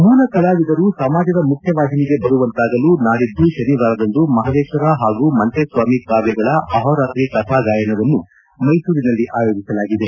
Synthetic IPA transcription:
muːnɐkɐlaːʋid̪ɐɾusɐmaːd͡ʒɐd̪ɐmukʰjɐʋaːɦ̪iniɡe̞bɐɾuʋɐnt̪aːɡɐluːnaːɽid̪ːuʃɐniʋaːɾɐd̪ɐnd̪umɐɦɐd̪eːkʂɐɾaːɦaːɡuːmɐnt̪esʋaːmikaːɾjɐɡɐɭɐɐɦɔːɾaːt̪ɾikɐt̪ʰaːd͡ʒaːjɐnɐʋɐnːu | mɐjsuːɾinɐlːiʔaːjoːd͡ʒisɐlaːɡid̪e̞

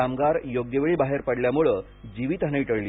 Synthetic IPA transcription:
amɡaɾjoɡjəʋeɭiːbaɦeɾpəɽljamuɭəː | d͡ʑiʋiːt̪aneʋiʈəɭli

